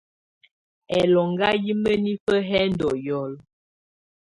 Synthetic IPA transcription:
ɛ˨lɔ˨ŋɡa˦ji˦mə˦ni˦fə˦ɦɛ˦n̩˦dɔ˨jɔ˨l

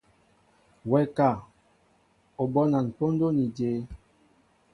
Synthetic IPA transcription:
wɛ˨ka˨ | o˨bɔ˦na˨n̩˨po˦n˦do˦ni˨de˨˦

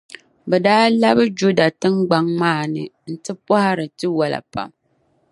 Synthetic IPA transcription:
bɛ˨daː˦la˦bɨ˦d͡ʒu˦da˨tɨ˦mɡ͡ba˦ŋmaː˦˨nɨ˨n̩˦tɨ˦pɔ˦ha˦ɾɨ˨tɨ˦wa˨la̰˨pa̰˨m

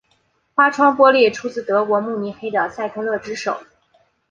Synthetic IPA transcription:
xwa˥ʈ͡ʂʰwɑ˥ŋpwɔ˥ljɛ˥˩ʈ͡ʂʰu˥t͡sɹ̩˥˩t̪ɤ˧˥kwɔ˧˥mu˥˧mi˧˥nxe˥d̪ə˨˩sa˥˩ɪt̪ʰɤ˥lɤ˥˩ʈ͡ʂɻ̩˥ʂo̰˨˩˦ʊ

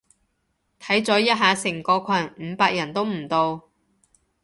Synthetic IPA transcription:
t̪ʰɐ˨˥jt͡sɔː˨˥jɐ˥t̚ɦaː˨˧sɪ˨˩ŋkɔː˧kʷʰɐ˨˩nm̩˨˧˥paː˧k̚jɐ˨˩nt̪o˥wm̩˨˩t̪o˧w

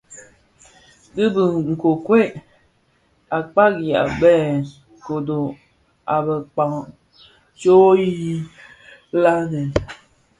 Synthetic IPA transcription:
di˦bi˨ŋŋ̩˨ko˨kwe˦ | a˨k͡pa˦ɡi˨a̰˨bɛ˦˨ | ko˨do˨ | a˨bɛ˨k͡pa˨ŋ | t͡ʃo˦ji˦ | la˦nɛ˨

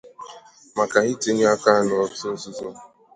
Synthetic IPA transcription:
ma˨ka˨ɣi˦te˦ɲ˦a˦ka˦nʊ˨ɔ˦sʊ˦n̩˦sʊ˦zo˦

